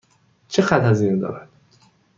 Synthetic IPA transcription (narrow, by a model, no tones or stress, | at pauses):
t͡ʃʰexæt̪æziːnd̪ɒ̰ːɾæd̪̥